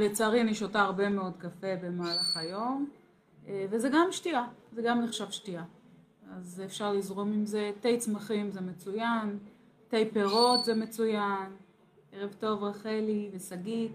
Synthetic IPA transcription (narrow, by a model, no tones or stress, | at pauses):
bet͡saːʁiniʃotaːʁbe̞me̞o̞dkafe̞be̞maːlaχajo̞m | evezeɡamʃtiazeɡamneχʃavʃtia | azefʃaʁlizʁomimze̞tejt͡smaχimzemet͡sujan | tejpeʁo̞tzeme̞t͡sujan | eʁevto̞vʁaχelivesaɡi